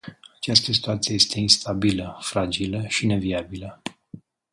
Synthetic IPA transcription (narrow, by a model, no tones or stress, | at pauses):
at͡ʃast̪əsi̥t̪uat̪sije̞je̞st̪ʰe̞inst̪ʰabiləfɾad͡ʒiləʃine̞viabilə